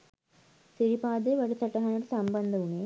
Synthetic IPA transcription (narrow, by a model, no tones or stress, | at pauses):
siɾipaːd̪eʋɐɽut̪ɐʈːɐɦɐnɐʈsɐmbɐnd̪ʱɐʋuɳe